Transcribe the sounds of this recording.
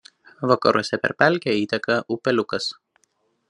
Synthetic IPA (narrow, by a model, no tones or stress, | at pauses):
ʋɐkɐɾṵɔsʲɛpʲɛ̰ɾʲpʲæˑlʲkʲɛiːt̪ʲɛkɐʔupʲɛlʲʊkɐs